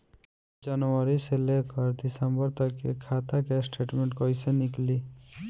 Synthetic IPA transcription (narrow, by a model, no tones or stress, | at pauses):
d͡ʒʌnɔɾiselekɔɾd̪isəmbəɾt̪ɔkḛkʰat̪akɛsʈeʈmeɳʈkɔjsenikli